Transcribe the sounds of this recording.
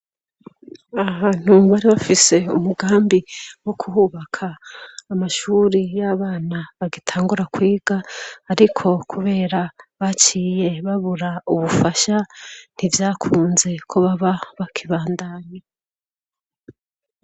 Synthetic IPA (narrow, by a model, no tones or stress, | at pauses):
aβaːn̥huβaɾiβafise̞ṵmuɡaːmbiwo̞kʰuhuβakʰaːmaʃuːɾijaβaːnaβaɡitʰaːŋɡuɾakwiːɡ̥aːɾikʰo̞kʰuβe̞ːɾaβat͡ʃiːje̞βaβuɾauβufaʃan̥ivjaːkʰuːnze̞kʰo̞βaβaβakʰiβaːndaːɲa